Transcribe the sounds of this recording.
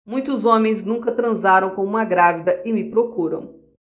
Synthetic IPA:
mũj̃t̪ʊzõmẽj̃znũkɐt̪ɾɐ̃zaɾɐ̃w̃kõw̃ũmɐɡɾavid̪ɐɪmɪpɾokuɾɐ̰̃w̃

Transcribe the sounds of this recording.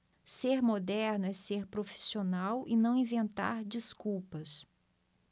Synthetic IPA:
seɾmod̪ɛɾnʊɛseɾpɾofi̥sionawɪnɐ̃w̃ĩvẽnt̪a̰ɾd͡ʒiskuwpɐs

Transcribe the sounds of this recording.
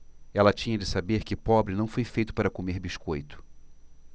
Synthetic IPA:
ɛlɐt͡ʃĩɲɐd͡ʒɪsabeɾkɪpɔbɾɪnɐ̃w̃fojfejt̪ʊ̥paɾɐkomeɾbiʃkojt̪ʊ̥

